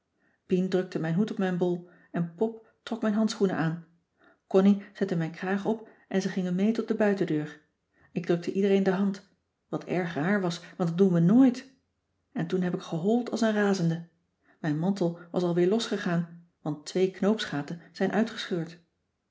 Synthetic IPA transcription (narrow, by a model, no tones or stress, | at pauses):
pindrɵk̚tʰəmɛjnɦutɔp̚mɛjnbɔlˠ | ɛnpɔp̚ | trɔkmɛjnɦɑntsχunə̰ʔaːn | kɔniz̥ɛtəmɛjnkraːχɔp | ʔɛnzəχɪŋənmejtɔt̚dəbœɥtədøːɹ | ɪɡ̚drɵk̚tʰəʔidərejndəɦɑnt | ʋɑtɛ̰ɹχraːɹʋɑsʋɑntdɑtdunʋənoːjt | ɛntunɦɛpɪkχəɦɔlˠtɑ̰lˠsənraːzəndə | mɛjnmɑntəlˠʋɑsɑlˠʋɪːɹlɔsχəχaːn | ʋɑntʋejknowpsχaːtənz̥ɛjnʔœɥtχə̥sχøːɹt